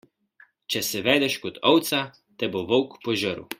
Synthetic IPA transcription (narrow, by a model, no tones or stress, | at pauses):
t͡ʃɛsɛʋɛːd̪ɛʃkɔt̪ɔwt̪sa | t̪ɛboʋɔwkpɔʒəɾṵ